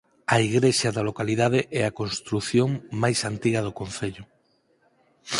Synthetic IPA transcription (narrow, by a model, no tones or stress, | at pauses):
aiɣɾeʃaðalokaliðað̞eʔɛakonst̪ɾuθjoŋmajsant̪iɣað̞okõn̟θeʎʊ